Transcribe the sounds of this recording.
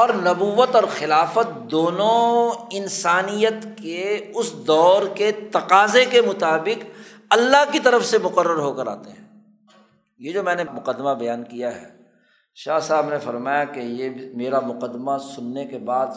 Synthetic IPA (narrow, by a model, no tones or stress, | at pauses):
ɔːɾnɐbuːʋət̪ɔːɾxɪlaːfət̪̚d̪oːnõɪnsaːnijət̪keʊsd̪ɔːɾket̪ɐqaːzekemʊt̪aːbɪq | ɐlːaɦkit̪ɐɾəfsemʊqəɾːəɾɦoːkəɾa̰ːt̪eɦɛ̃ː | jed͡ʒoːmɛ̃ːnemʊqəd̪ːmabɐjaːnkijaɦɛ̰ː | ʃaːɦsaːbnefɐɾmaːjakejemeːɾamʊqəd̪ːmasʊnːekebaːd̪